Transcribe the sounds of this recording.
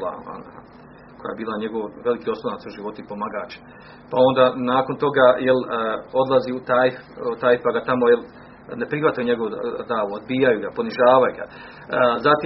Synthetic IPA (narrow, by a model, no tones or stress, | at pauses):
la̰a̰n | ko̞ja̰jebiːlaɲeɡo̞ʋʋe̞likio̞slˠonat̪suʒiʋo̞t̪upo̞maɡaːt͡ɕ | pao̞nd̪anaːko̞nt̪o̞ɡajelo̞d̪laziut̪ajft̪ajfpaɡat̪amo̞jel | ne̞pɾihʋat̪ajuɲe̞ɡo̞ʋod̪aːʋood̪̚biːjajuɡapo̞niʒaːʋajuɡa̰ | zat̪i